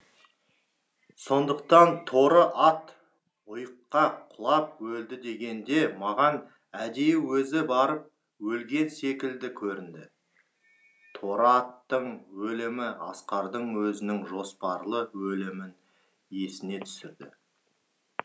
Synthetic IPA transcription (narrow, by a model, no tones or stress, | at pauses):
so̞nd̪əqt̪ɑnt̪ʰo̞ɾəʔɑt̪ | ʊjəqːɑqʰʊlˠɑp̚wɵld̪ɪd̪e̞ɡʲe̞nd̪e̞mɑʁɑn | æd̪ejɪwɵzɪbɑɾəp̚ | wɵlɡʲe̞nse̞kʲɪld̪ɪkʲʰɵɾɪnd̪ɪ | t̪ʰo̞ɾɑt̪ːəɴwɵlɪmɪɑsqɑɾd̪əɴwɵzɪnɪŋʒo̞spɑɾlˠəwɵlɪmɪn | je̞sɪne̞t̪ʰʏ̥sɪɾd̪ɪ̰